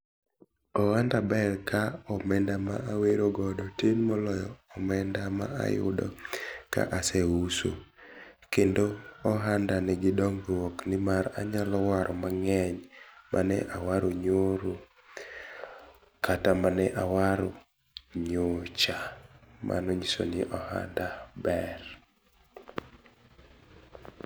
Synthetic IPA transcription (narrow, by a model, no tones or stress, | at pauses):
ɔwandabɛlkaɔmɛndama̰ʔaweɾoɡɔdɔtenmɔlɔjɔɔmɛndama̰a̰jʊ̰dɔ̰ka̰ʔasɛuso̰ | kendoːɦandanɛɡɪdɔŋɡwɔknɪmaɾa̰ɲalɔwaɾʔɔmaŋɛɲmʔanɛ̰ʔawaɾoɲoɾo | katamanɛʔawaɾo | ɲot͡ʃamʔa̰nɔɲiso̰nɪʔɔha̰ndabɛr